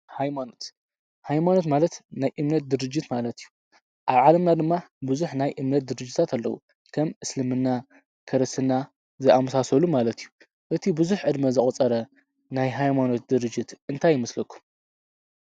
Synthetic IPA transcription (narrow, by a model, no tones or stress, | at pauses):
hajmano̞t̪ | hajmano̞t̪malɐt̪najʔɨmnɐt̪̚d̪ɨɾɨd͡ʒːɪt̪malɐt̪ijːu | ʔaβʕalɐmnad̪ɨmːabɨzuħnajʔɨmnɐt̪̚d̪ɨɾɨd͡ʒːɪt̪ʰat̪ʰalːɐ̰wṵ | kʰɐmʔɨslɨmɨnːa | kʰɐɾɐsɨnːa | zɨʔamɐsasɐlumalɐt̪ijːu | ʔɨt̪ʰibɨzuħʕɨd̪mɐzɨχʼɐt͡sʼɐɾɐ | najɦajmano̞t̪̚d̪ɨɾɨd͡ʒːɪt̪ɨnt̪ʰajːɪmɐslɐkʰːu̥m